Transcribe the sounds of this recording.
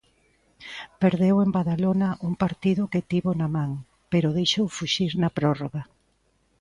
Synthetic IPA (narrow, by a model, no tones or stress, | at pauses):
peɾðewembaðalonɐʔuŋpaɾt̪iðʊkɪt̪iβonɐmãŋ | peɾʊðejʃowfuʃiɾnɐpɾɔroɣɐ